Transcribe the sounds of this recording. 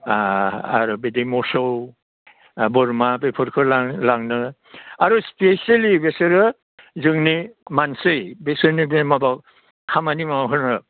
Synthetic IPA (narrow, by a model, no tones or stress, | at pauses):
aa̰ɾɔbedimɔsɔw | bɔɾmabepʰɯɾkʰɯlalaŋnɯ | aɾuspesalibesɯɾɯ | zɯŋnimansɯjbesɯɾnibemabak̚ | hʰamanimawɦɯnɯ